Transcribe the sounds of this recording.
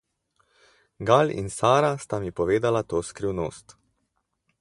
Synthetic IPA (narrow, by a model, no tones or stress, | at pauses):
ɡalḭnsaːɾast̪amipɔʋeːd̪alat̪oːskɾiwno̰ːst̪